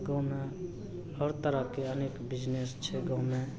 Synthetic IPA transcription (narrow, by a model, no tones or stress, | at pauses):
ɡəʊmẽ | ɔːɾt̪əɾəkeəneːkbɪd͡ʒnest͡ʃʰeɡəʊmẽ